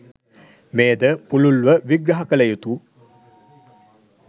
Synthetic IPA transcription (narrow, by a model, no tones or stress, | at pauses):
meːd̪əpululʋəʋiɡɾɐɦɐkəlejut̪u